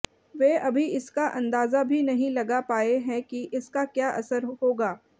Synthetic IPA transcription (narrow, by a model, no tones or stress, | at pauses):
ʋeːɐbʱiɪskaʔɐ̃nd̪aːzabʱinɐɦĩlɐɡapaːeɦɛ̃kiʔɪskakjaːʔɐ̰səɾɦoːɡaː